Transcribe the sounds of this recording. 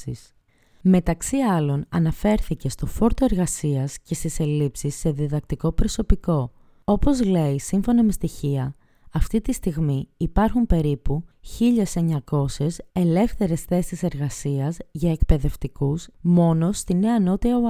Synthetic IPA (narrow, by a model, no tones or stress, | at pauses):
ḭs | me̞t̪ɐksiɐlo̞nɐ̰nɐfe̞ɾθice̞st̪o̞fo̞ɾt̪o̞e̞ɾɣɐsiɐsce̞st̪ise̞lipsisːe̞ðiðɐk̚t̪iko̞pɾo̞so̞piko̞ | o̞po̞zle̞isiɱfo̞nɐme̞st̪içiɐ | ɐft̪it̪ist̪iɣmiːpɐɾxumpe̞ɾipuçiʎe̞se̞ɲɐko̞se̞se̞le̞fθe̞ɾe̞sθe̞sise̞ɾɣɐsiɐzʝɐe̞kpe̞ðe̞ft̪ikusmo̞no̞st̪ine̞ɐno̞t̪iɐ